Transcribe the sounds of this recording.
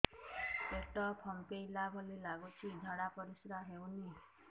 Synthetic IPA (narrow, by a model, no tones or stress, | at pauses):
eʈɔpʰɔmpejlabʱolilaɡut͡ʃʰid̪ʱɔɽapɔɾisɾaɦewni